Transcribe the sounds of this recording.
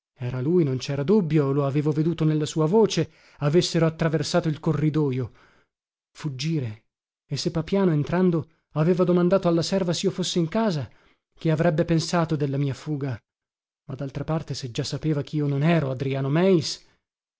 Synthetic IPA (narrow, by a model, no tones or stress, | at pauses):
ɛːɾalujnont͡ʃɛːɾad̪ubːjoloaveːvoved̪uːt̪onelːasuːavoːt͡ʃe | avesːeɾoat̪ːɾaversaːt̪oilkorːid̪ɔːjo | fud͡ʒːiːɾe | esːepːapjaːnoent̪ɾand̪o | aveːvad̪omand̪aːt̪oalːasɛrvasiːofosːeiŋkaːza | k̟eavɾɛbːepensaːt̪od̪elːamiːafuːɡa | mad̪ːalt̪ɾapart̪esed͡ʒasːapeːvak̟ʰiiːononɛːɾoad̪ɾiaːnomɛis